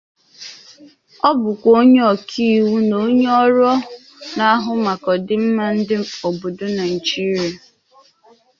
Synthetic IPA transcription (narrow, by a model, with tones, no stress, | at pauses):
ɔ˦bʊ˨kʷo˦ɲe˦ɔ˨kʰi˦˨wu˦no˦ɲe˦ɔ˦ɾɔ˦ | na˨a˦ɦʊ˦ma˨kɔ˨dɪ˦m̩˦ma˦n̩˦dɪ˦o˨bo˨do˦na˨n̩˨d͡ʒi˦ɾa˨